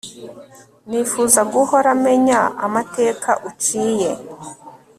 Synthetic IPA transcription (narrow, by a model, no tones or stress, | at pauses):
nifuzaɡuho̞ɾame̞ɲaa̰mate̞ːkaʔut͡ʃiːje̞